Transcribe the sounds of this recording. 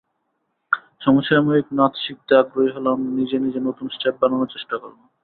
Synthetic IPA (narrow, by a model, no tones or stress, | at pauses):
ʃɔmoʃamoiknat̪ʃik̚t̪eaɡɾoɦiɦɔlannid͡ʑenid͡ʑenot̪unsʈep̚bananoɾt͡ɕeʃʈako̰ɾbo